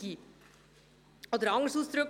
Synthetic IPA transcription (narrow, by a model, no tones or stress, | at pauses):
iː | ɔd̪əɾɑŋəsuːsd̪ɾʏk